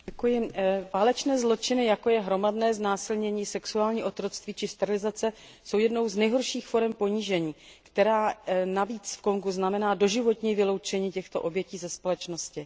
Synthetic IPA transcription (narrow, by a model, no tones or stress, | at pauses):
ɛkujɪvaːlɛt͡ʃnɛːzlo̞t͡ʃɪnɪjako̞jɛɦɾo̞madnɛːznaːsɪlɲɛɲiːsɛksuaːlɲiːʔo̞t̪ɾo̞t͡st̪viːt͡ʃɪst̪ɛɾɪlɪzat͡sɛ | so̞wjɛdno̞wznɛjɦo̞ɾʃiːxfo̞ɾɛmpo̞ɲiʒɛɲiːkt̪ɛɾaːnaviːt͡sfko̞ŋɡuznamɛnaːdo̞ʒɪvo̞t̪ɲiːvɪlo̞wt͡ʃɛɲiːcɛxt̪o̞ʔo̞bjɛciːzɛspo̞lɛt͡ʃno̞scɪ